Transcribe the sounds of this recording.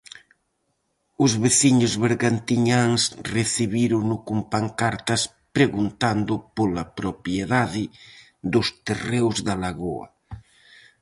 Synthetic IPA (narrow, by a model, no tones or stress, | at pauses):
ʊzβeθiɲʊzβeɾɣant̪iɲaŋsreθiβ̞iɾʊnʊkumpaŋkaɾt̪ɐs | pɾeɣunt̪and̪ʊpolapɾopjeðaðɪ | ðʊst̪erewzðalaɣoɐ̰